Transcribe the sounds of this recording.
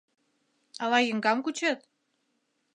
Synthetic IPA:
ɑlɑjə̆ŋɡɑmkut͡ɕet̪̚

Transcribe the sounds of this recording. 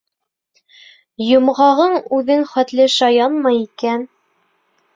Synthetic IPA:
jŏmʁɑʁɤɴʉðɘŋχæt̪lɘʃɑjɑnmɑjikæn

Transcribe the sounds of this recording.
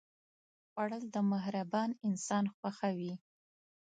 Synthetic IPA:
xwaɽəld̪əmahɾabɑnɪnsɑnxwaxawi

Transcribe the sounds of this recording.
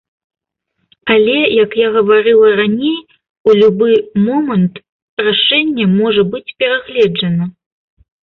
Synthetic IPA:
alʲɛjɐkjaɣɐvaɾɨlˠɐranʲej | ulʲubɨmɔmɐnt̪ | raʂɛnʲːɛmɔʐɐbɨt͡sʲpʲɛɾaɣlʲɛd͡ʐɐnɐ

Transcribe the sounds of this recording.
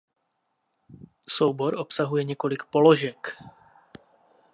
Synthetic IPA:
sowboɾʔopsaɦujɛɲɛko̞lɪkpoloʒɛk

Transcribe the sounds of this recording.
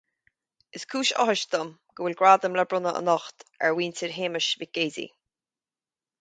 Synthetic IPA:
ɪskʰuːʃɔ̰ɦɪʃt̪əm | ɡ̥əwɪlɡɹaːd̪əmləbɹʊnəʔə̰nɔxt̪ɛ̰ɹwiːnt̪ʰiɹɦeːməʃviɡ̥eːzḭ

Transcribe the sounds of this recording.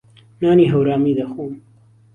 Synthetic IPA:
naːniːɦɐwɾaːmiːd̪ɐxuːm

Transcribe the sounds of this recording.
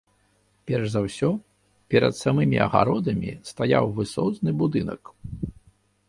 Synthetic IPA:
pʲɛrʐzawsʲɔ | pʲɛɾɐ̰t̪samɨmʲiɐ̰ɣa̰ɾɔd̪ɐmʲist̪aja̰wvɨsɔsnɨbud̪ɨnɐ̰k

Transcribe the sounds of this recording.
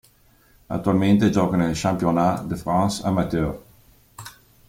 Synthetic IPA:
a̰t̪ːualment̪ed͡ʒɔkanelʃampjonad̪əfɾãnsa̰mat̪øɾ

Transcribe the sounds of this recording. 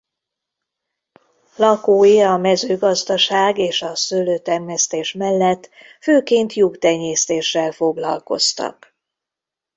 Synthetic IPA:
lɒkoːjiɒmɛzøːɡɒzd̪ɒʃaːɡeːʃɒsøløːt̪ɛrmɛst̪eːʃmɛlːɛt̪ː | føːkeːnt̪jukt̪ɛɲːeːst̪eːʃːɛlfo̞ɡlɒ̰lko̞̰st̪ɒ̰k

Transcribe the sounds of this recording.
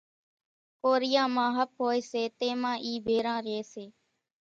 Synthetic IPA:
koːɾɪjãːmãːɦəp̚ɦoːeːseːt̪eːmãːʔiːbʱeːɾãːɾeːseː

